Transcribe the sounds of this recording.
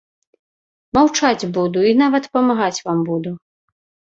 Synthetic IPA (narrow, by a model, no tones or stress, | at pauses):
mawt͡ʂad͡zʲbud̪uinavɐt̪pɐmaɣat͡sʲvambud̪u